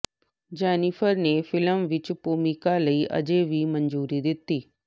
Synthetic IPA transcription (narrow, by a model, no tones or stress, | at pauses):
d͡ʒɛːnɪpʰəɾnefɪləmʋɪt͡ʃpuːmɪkaləiːʔə̰d͡ʒeʋiːmənd͡ʒuːɾid̪ɪt̪ːiː